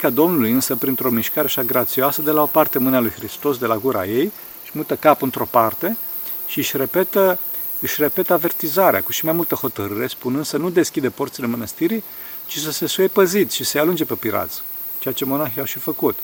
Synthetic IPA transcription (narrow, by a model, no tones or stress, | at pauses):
kad̪o̞mnulujɨnsəpɾint̪ɾo̞miʃkaɾeaʃaɡɾat̪sioasəd̪e̞lao̞part̪e̞mɨnalujxɾist̪o̞sd̪e̞laɡuɾa̰je̞j | ɨʃmut̪əkapɨnt̪ɾo̞part̪e̞ | ʃiɨʃre̞pet̪ə | ɨʃre̞pe̞t̪əave̞rt̪izaɾea̰kuʃimajmult̪əho̞t̪əɾɨɾe̞spunɨnd̪sənud̪e̞skʲid̪epo̞rt̪sile̞mənəst̪iɾi | t͡ʃis̬əse̞sujepəzit̪ʃisealund͡ʒe̞pe̞piɾa̰t̪s | t͡ʃe̞jat͡ʃe̞mo̞naxiawʃifəkut̪